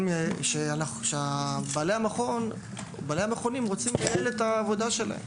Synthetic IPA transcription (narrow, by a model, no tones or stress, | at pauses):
meʃeanaχʃeabalejamaχon | balejameχonimʁo̞t͡simkalelet̪aːvo̞d̪aʃe̞la̰hem